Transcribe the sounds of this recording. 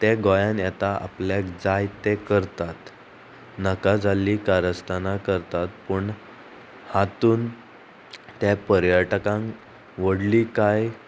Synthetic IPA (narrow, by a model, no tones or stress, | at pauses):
t̪eɡojanjɛt̪aʔa̰pljakd͡zajt̪ekəɾt̪at̪ | nəkad͡zalːikaɾəst̪anakəɾt̪at̪̚pəɳ | hat̪uːn | t̪japəɾjəʈkãŋ | ʋəɽliːkaj